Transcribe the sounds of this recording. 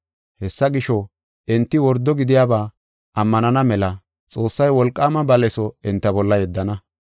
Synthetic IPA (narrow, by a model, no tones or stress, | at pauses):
hɛsːɐɡɪʃɔ | ɛnt̪ːɪwɔɾd̪ːɔɡɪd̪ɪjaːbaː | ʔɐmːɐnɐnɐmɛlɐ | t͡sʼo̞ːsːɐjwɔlkʼːaːmɐbɐlɛsɔɛnt̪ːɐbɔlːɐjɛd̪ːɐnɐ